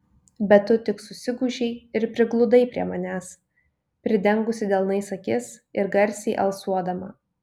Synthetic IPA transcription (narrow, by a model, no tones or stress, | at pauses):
bʲɛt̪ʊt̪ʲɪksʊsʲɪɡʊʒʲɛɪɪɾpʲɾʲɪɡlˠʊd̪ɐɪpʲɾʲḭɛmɐnʲæːs | pʲɾʲɪd̪ʲɛŋɡʊsʲɪd̪ʲɛːlˠnɐɪsɐkʲɪsɪɾɡɐɾʲsʲiːʔɐlˠsuɔd̪ɐmɐ̰